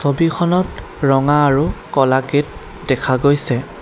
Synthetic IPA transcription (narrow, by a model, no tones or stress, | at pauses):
sobikʰɔnɔt | ɹɔŋaːɹukɔlaket̚ | dɛkʰaɡojsɛ